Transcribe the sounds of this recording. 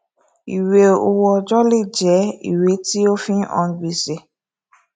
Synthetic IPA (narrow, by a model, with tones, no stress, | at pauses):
i˨we˨o˨wɔ˨d͡ʒɔ˦li˦d͡ʒɛ˨˦ḭ˨we˨˦ti˦o˦fĩ˦ʔɔ̰̃˨n˦ɡ͡bi˨se˨